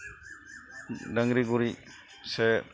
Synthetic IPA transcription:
daŋɾiɡuɾi | se

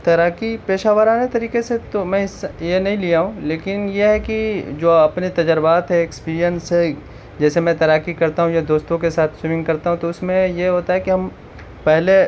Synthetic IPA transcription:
t̪ɐɾaːkipeːʃaːʋəɾaːnet̪ɐɾiːkeset̪omɛ̃ɪsjenɐɦĩlijaɦũleːkɪnjeɦɛkid͡ʒoːɐpnet̪ɐd͡ʒəɾbaːt̪ɦɛ̃ɪkspiːɾijəns | d͡ʒɛːsemɛ̃t̪ɐɾaːkikɐɾt̪aɦũjad̪oːst̪õkesaːt̪ʰsɪmɪ̃ŋɡkɐɾt̪aɦũt̪oʊsmẽjeɦoːt̪aɦɛkiɦɐm | pɛɦle

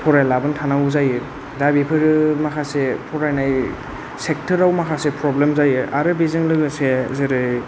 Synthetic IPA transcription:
pʰɔɾajlabɯntʰanawzajɯ | dabipʰɯɾɯmakʰasepʰɔɾajnaj | sek̚tʰɯɾawmakʰasepɾɔblemzajɯa̰ɾɯbizɯŋlɯɡɯsezɯɾɯ

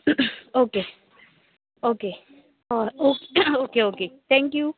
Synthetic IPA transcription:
oke | oke | oookeoket̪ʰɛ̃ŋkju

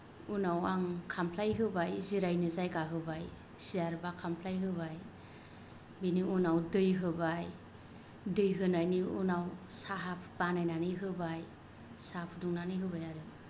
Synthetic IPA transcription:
unawaŋkʰampʰlajɦɯbajziɾajnɯzajɡaɦɯbaj | sijaɾbakʰampʰlajɦɯβaj | biniunawdɯjɦɯbaj | dɯjɦɯnajniunawsaɦapʰb̥anajnanɯɦɯbaj | sapʰduŋnanɯjɦɯbajaɾɯ

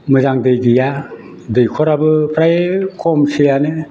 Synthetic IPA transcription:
mɯzaŋdɯjɡija | dɯjkʰɔɾabɯpʰɾajkʰɔmsijanɯ

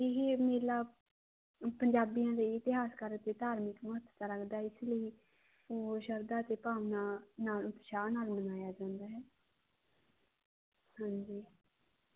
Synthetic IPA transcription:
ɪɦeːmeːlaː | pəɲd͡ʒaːbijãːd̪eːɪt̪ɪɦaːskəɾt̪eːt̪aːɾmɪkməɦət̪t̪aːɾəkd̪aːɪsləiː | oːʃəɾd̪aːt̪eːpaːʋnaːnaːlʊt̪ʃaːnaːlmənaːjaːd͡ʒãːnd̪aːɦɛː | hãːɲd͡ʒiː

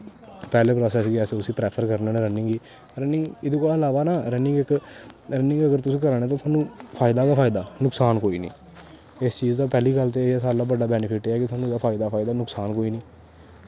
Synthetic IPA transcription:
pɛːleːpɾɔːsɛːsɡiɛːseʊsĩːpɾɛːpʰəɾkəɾnenẽːɾənɪ̃ŋɡiː | ɾənɪ̃ŋɡɪd̪ẽːkoːlaːəlaːʋaːnaːɾənɪ̃ŋɡɪkɾənɪ̃ŋɡəɡəɾt̪ʊsĩːkəɾɳɛ̃ːt̪ãːt̪ʰaːnũːpʰaːɪd̪aːkaːpʰaːɪd̪aːnʊksaːnkoːiːnḭ̃ː | ɪst͡ʃiːzd̪aːpɛːliːkəlt̪̬easaːɾlaːbəɖaːbɛːnɪpʰɪʈeːɛːkɪt̪ʰʊaːnũːd̪aːpʰaːɪd̪aːpʰaːɪd̪aːnʊksaːnkoːiːnĩː

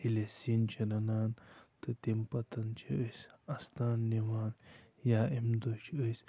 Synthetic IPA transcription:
ilesint͡ʃʰilɐnaːnt̪ɨt̪empɐt̪ɐnt͡ʃʰiəsɐst̪aːnːiʋaːnjaːemd̪ot͡ʃʰəs

